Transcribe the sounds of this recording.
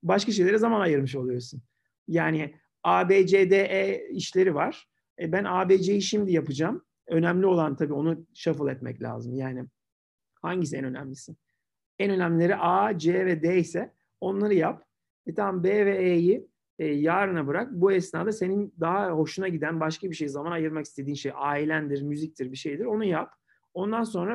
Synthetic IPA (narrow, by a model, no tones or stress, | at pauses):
baʃkaʃ̬ejlʲeɾɛzamanajɯɾmɯʃ̬olˠɯjo̞sun | jaːnɪ | aːbeːd͡ʒed̪eʔɛiʃlʲe̞ɾivaɾ̥ | bænaːbeːd͡ʒejiʃimd̪ijapɯd͡ʒam | ø̞næmlʲio̞lˠant̪ʰabiːo̞nuʃafɯlˠɛt̪mɛ̰clʲa̰ːzɯmjaːnɪ | haɲɟisɛnø̞næ̰mlʲisin | ɛnø̞næmlʲilʲeɾiʔaːd͡ʒevɛd̪eisɛ | o̞nlˠaɾɯjap | ɛt̪ʰambeːvɛeji | jaːɾɯnabɯɾak̚buɛsnaːd̪ase̞nind̪aɦaho̞ʃunaɟid̪ænbaʃkabiʃe̞jizamanajɯɾmaki̥st̪ʰe̞d̪iːnʃejʔaːilʲænd̪iɾmyzic̚t̪ʰiɾbiʃe̞jd̪iɾo̞nujap | o̞nd̪anso̞nɾa